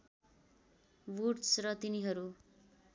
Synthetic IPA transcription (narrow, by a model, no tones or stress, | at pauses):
wuʈsrʌt̪iniɦʌɾu